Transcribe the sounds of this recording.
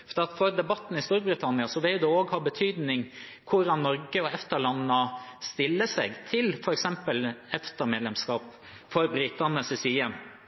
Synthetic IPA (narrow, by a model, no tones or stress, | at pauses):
fd̪ɑt̪fɔɾd̪ɛbɑt̪ːn̩ɪst̪uːɾbɾɪt̪ʰɑnɪɑsɔʋɪljʊd̪ɛoːɡhɑːbət̪ʰyːd̪nɪŋkʰʊɾɑnːɔɾɡəɔɛft̪əɾɭɑnːəst̪ɪlːəsɛɡt̪ʰɪlfɔɾɛksɛmpəlɛft̪əɾmeːd̪lɛmskɑːp | fɔɾbɾit̪ɑnəsɛsiːən